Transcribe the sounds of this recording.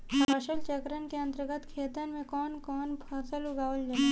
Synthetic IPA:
əʃəlt͡ʃəkɾənkeɐ̃nt̪əɾɡət̪kʰeːt̪ənmẽkɔːnkɔːnpʰɐsəluɡaːʋəld͡ʒa

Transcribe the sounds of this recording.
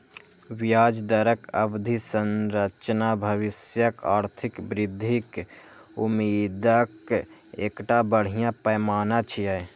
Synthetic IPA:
wjaːd͡ʒd̪əɾəkəbd̪ʱisənɾət͡ʃnabʱəʋɪsjəkaːɾt̪ʰɪkbɾɪd̪ʱːik | umiːd̪ək | ḛːkʈabəɽ̤ijãpəjmaːnat͡ʃʰija

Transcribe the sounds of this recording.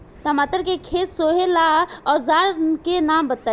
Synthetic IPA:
t̪ɔmat̪əɾkekʰet̪soɦelaɔzaɾkenambət̪ə

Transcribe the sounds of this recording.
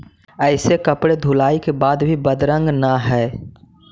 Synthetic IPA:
əɪsekəpɽed̪ʱulaːikebaːd̪bʱibəd̪ɾə̃ŋɡnaɦɛː

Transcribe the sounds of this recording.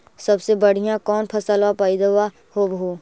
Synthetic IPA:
sɐbsebɐɽ̤ijãkɔːnpʰɐsəlapaːid̪əwa | hoːbɦoː

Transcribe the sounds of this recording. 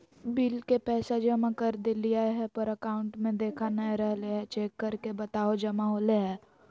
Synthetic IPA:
biːlkepɛːsad͡ʒɐmakəɾd̪eliaːeɦɛpəɾəkaːʊ̃ɳʈmẽd̪eːkʰanəẽɾəɦleɦɛt͡ʃeːkːəɾkebət̪aːod͡ʒɐmaɦoːleɦɛː

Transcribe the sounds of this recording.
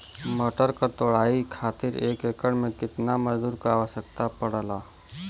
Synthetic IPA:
məʈəɾkəɾt̪oːɽ̤aːikʰaːt̪ɪɾeːkeːkəɽmẽkɪt̪naməd͡ʒd̪uːɾkaaːʋəʃjək̚t̪apəɽəlaː

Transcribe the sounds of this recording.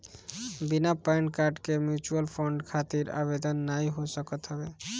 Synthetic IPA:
binapaeɳʈkaɾɖkemjut͡ʃuəlpʰɔɳɖkʰat̪iɾa̰bed̪ənːaiɦosəkət̪ɦəbe

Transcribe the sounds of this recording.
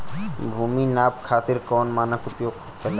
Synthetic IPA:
bʱuːminaːp̚kʰaːt̪ɪɾkɔːnmaːnəkʊpjoːɡ | kɐt̪ː

